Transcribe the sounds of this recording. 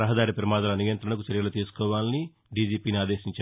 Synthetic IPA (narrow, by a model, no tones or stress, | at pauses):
ɐɦɐd̪aːɾipɾɐmaːd̪ɐlɐnijɐnt̪ɾɐɳɐk̬ut͡ʃɐɾjɐlut̪iːsu̥kɔːʋaːlini | ɖiːd͡ʒiːpiːniaːd̪eːʃiɲt͡ʃa